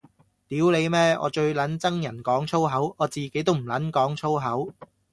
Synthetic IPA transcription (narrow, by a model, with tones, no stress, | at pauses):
t̪iː˨˥wle˨˧jmɛː˥ʔɔ̰ː˨˧t͡ʃɵ˧ɥlɐ˨˥nt͡sɐ˥ŋjɐ˨˩nkɔː˨˥ŋt͡ʃʰo˥wɦɐ˨˥wɔː˨˧t͡siː˨ke˨˥jt̪o˥wm̩˨˩lɐ˨˥nkɔː˨˥ŋt͡ʃʰo˥wɦɐ˨˥w